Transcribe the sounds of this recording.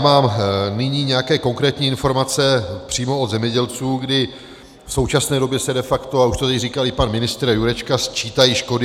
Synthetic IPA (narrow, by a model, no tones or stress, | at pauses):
maːmnɪɲiːɲɛjakɛːko̞ŋkɾɛːt̪ɲiːɪnfo̞ɾmat͡sɛpr̝̥iːmo̞od̪zɛmɲɛɟɛlt͡suːɡdɪ | fso̞wt͡ʃasnɛːdo̞bjɛsɛdɛfakt̪o̞auʃt̪oɛcriːkalɪpanmɪnɪst̪ɾjuɾɛt͡ʃkast͡ʃiːt̪ajiʃko̞dɪ